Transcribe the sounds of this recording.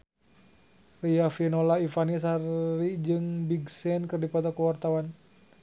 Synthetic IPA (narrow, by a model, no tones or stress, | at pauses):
riafinolaifanis̬arːid͡ʒɨŋbiɡsɛnkɨrdipɔt̪ɔkuwart̪awan